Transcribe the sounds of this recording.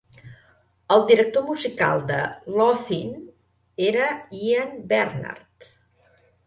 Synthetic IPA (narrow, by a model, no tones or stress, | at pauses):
əlˠd̪iɾək̚t̪omuzika̰lˠd̪ə̰lɔθin | eɾəiənbɛɾna̰ɾt̪